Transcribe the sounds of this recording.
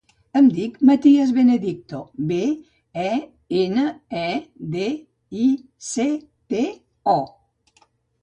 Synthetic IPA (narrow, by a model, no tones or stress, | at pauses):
əmd̪ikmat̪iezβeneðik̚t̪obe | ɛ | enəɛd̪e | i | se | pe | ɔ